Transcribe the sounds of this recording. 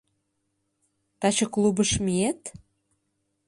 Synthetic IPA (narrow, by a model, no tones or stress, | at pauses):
t̪ɑt͡ɕəklubəʃmiet̪